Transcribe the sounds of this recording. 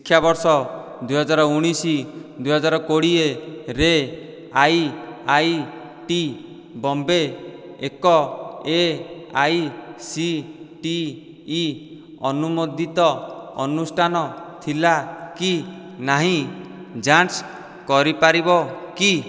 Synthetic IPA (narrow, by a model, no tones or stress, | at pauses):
sikʰːjabɔɾsɔ | d̪ujɦɔd͡ʒaɾɔuɽ̃isid̪ujɦɔd͡ʒaɾɔkoɽieɾe | ajaj | ʈi | bɔmbe | ekɔeajsiʈiː | ɔnumod̪ʱit̪ɔːnusʈʰanɔt̪ʰilaki | naɦĩ | d͡ʒas | kɔɾipaɾibɔki